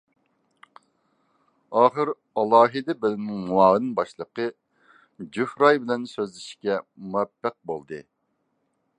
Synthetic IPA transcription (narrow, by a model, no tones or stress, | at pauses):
ɑːχəɾ | ɑlˠɑːɦɨd̪ɨbɪlɪmnɪŋwɑːlɨnɨnbɑʃlˠəqə | d͡ʒuhɾɑjbɪlɛnsøzlɪʃkʲɛmuɛpːæq̚bolˠd̪ɨ̰